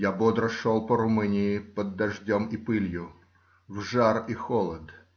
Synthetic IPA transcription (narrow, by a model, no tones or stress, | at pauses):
jabod̪ɾəʂolˠpəɾʊmɨnʲɪɪpəd̪ːɐʐdʲomipɨlʲjʊ | vʐarixolˠəd̪